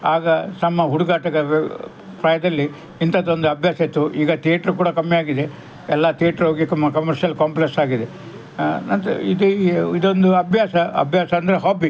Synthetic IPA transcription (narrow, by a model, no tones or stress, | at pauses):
aːɡɐnɐmːɐɦuɽuɡaːʈɐɡɐ | pɾɐjɐd̪ɐlːi | int̪ɐd̪o̞nd̪uɐbʱjaːsɐt̪ːuʔiːɡɐt̪eːʈɾukuːɽɐkɐmːijaːɡid̪e | ɛlːɐt̪eːʈɾɦoːɡikɐmːɐkɐmɐɾʃjɐlkaːmpleksaːɡid̪e | nɐnt̪id̪uid̪o̞nd̪uɐbʱjaːsɐɐ̰bʱjaːsɐːnd̪ɐɾeɦaːbi